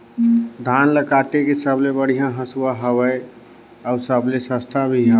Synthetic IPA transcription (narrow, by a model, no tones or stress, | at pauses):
d̪ʱanləkaʈekesəblebəɽ̤ijãɦəsuwaɦəwə | ɔsəblesə̃st̪ʰabʱiɦə